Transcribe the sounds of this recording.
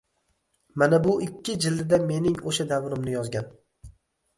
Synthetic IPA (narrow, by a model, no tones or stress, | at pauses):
manabʊɪkʲʰːɪd͡ʒɪlːɪd̪ame̞nɪŋoʃad̪avɾɪmnɪjɒzɡʲan